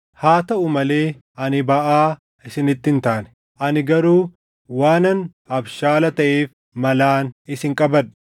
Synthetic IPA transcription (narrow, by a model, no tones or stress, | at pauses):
haːt̪ɐʔʊmɐleː | ʔɐnɪbɐʔaː | ɪsɪnɪt̪ːɪnt̪aːnɛ̥ | ʔɐnɪɡɐɾuː | waːnɐn | ɐbʃaːlɐt̪ɐʔeːf | mɐlaːnɪsɪŋkʼɐbɐn